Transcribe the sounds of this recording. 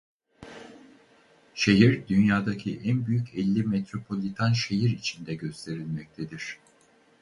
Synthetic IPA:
ʃe̞ɦiɾd̪ynjaːd̪acʰiʔænbyjycʰɛlʲːimet̪ɾo̞pʰo̞lʲit̪ʰanʃe̞jiɾit͡ʃʰind̪ɛɟø̞st̪ʰe̞ɾilʲmɛc̚t̪ʰed̪iɾ̥

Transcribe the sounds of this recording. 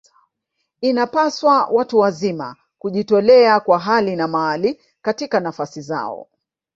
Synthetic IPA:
inapaswawʔatuwazima̰ | kuʄitɔlɛakwaɦalinamaːli | katikanafasiza̰ɔ̰

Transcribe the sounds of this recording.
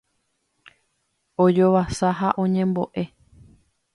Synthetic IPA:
od͡ʒo̞ʋasaɦaʔõ̞ɲẽ̞mbo̞̰ʔe̞

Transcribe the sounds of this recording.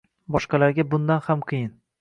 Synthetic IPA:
bɒʃqɑlaɾɡʲabʊnd̪anhamqʰɨjɪn

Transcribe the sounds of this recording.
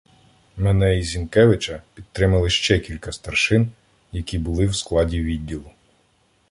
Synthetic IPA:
mɛnɛizʲinkɛʋɪt͡ʃɐpʲid̪̚t̪ːɾɪmɐlˠɪʃt͡ʃɛkʲilʲkɐst̪ɐrʃɪn | jɐkʲibʊlˠɪwsklˠɑdʲiʋʲid̪ʲːilˠʊ

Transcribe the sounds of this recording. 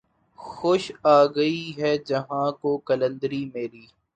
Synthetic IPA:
xoʃaːɡɐiɦɛːd͡ʒɐɦãkokɐlə̃nd̪əɾimeːɾiː

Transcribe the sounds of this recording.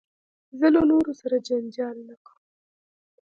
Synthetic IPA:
zəlonoɾosaɾad͡ʒand͡ʒɑlnakʰaw

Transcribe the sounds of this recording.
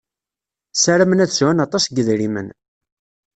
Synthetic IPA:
sæɾæmənæðswænɑt̪ˤɑsɡəðɾimə̰n

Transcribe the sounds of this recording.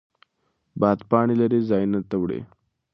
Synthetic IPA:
bat̪paɽ̃iləɾed͡zajnət̪əʋɽḛ

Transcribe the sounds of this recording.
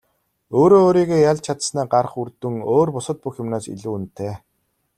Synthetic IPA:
oːɾoːɾiːɣeːjaɮt͡ɕʰat̪snæːɢarχurt̪ɵ̆ŋoːrpʊsə̆t̪̚puxjɪmnaːsḭɮuːunt̪ʰeː

